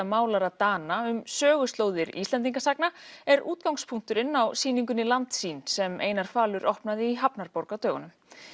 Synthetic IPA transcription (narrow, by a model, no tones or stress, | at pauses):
amaːwlaɾat̪aːnaʏmsœːɣʏst̪lowðɪɾḭst̪ɛnt̪iŋkasaknaɛɾṵːt̪̚kawŋspʰuŋ̥t̪ʏɾɪnːawsiːniŋkʏnilant̪siːnsɛmḛːjnaɾ̥faːlʏɾʔohpnaðɪiɦapnaɾpowɾkawt̪œːɣanʏm